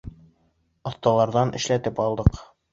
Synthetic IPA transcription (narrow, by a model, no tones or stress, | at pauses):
ɒθt̪ɑlˠɑɾðɑnʔɘ̆ʃlæt̪ɘpɒlˠd̪ɤq